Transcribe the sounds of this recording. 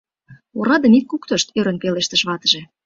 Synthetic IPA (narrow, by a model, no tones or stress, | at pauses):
oɾɑd̪emit̪̚kukt̪əʃt̪øɾə̆npeleʃt̪əʃβɑt̪əʒĕ